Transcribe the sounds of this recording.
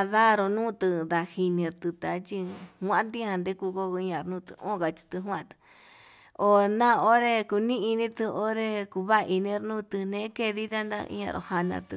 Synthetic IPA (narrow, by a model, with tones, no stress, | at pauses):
a˧ða˦ɾo˧nũː˦t̪ɨ˧d̪a˧hi˧nĩ˧ɾt̪ɨ˧t̪a˧t͡ʃi˧hʷã˦ʔnd̪i˦hã˧nd̪e˦ku˧ko˧i˧˦ɲã˧ɾnũː˦˧t̪ɨ̰˧ʔõ̰˦˨ka˧t͡ʃi̥˧t̪ɨ˧ɦw̃ã˦˧t̪ɨ̥˧ | o˧nã˦o˦ɾe˧ku˧nĩ˦i˧nĩ˦t̪ɨ˧o˦ɾe˧ku˧βa˦˧ʔi˧nĩ˧˦˧ɾnũ˦˧t̪ɨ˧nẽ˧˦ke˧ði˦t̪a˦nd̪a̰˧ḭ˧ɲã̰˧ɾo̰˧ha˧nã̰˧t̪ɨ˧